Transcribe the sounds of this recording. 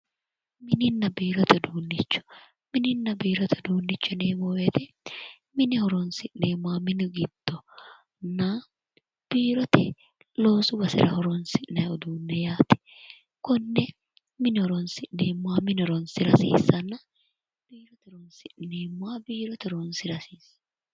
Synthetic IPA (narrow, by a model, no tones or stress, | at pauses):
mɪnɪnːɐbiːɾɔt̪ɛd̪uːnːɪt͡ʃːʊ̥ | mɪnɪnːɐbiːɾɔt̪ʰɛd̪uːnːɪt͡ʃːɔneːmɔwɛt̪ɛ | mɪnɪhɔɾɔnsɪʔneːmːʊaːmɪnɪɡɪd̪̥ːɔ | nːa | b̥iːɾɔt̪ɛ | loːsʊbɐsɪ̰ɾɐhɔɾɔnsɪʔnɐɔd̪uːnːɛjaːt̪ɛ̥ | kɔnːɛ | mɪnɪɔɾɔnsɪʔneːmːʊaːmɪnɪɔɾɔnsɪɾɐsḭːsːɐnːɐ | b̥iːɾɔt̪ɛɔɾɔnsɪʔneːmːʊwaːbiːɾɔt̪ɔɾɔnsɪɾɐsiːs